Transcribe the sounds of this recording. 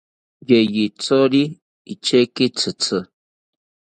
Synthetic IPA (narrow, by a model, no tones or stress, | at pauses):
jejit͡sɔli | it͡ʃekit͡sɨt͡sɨ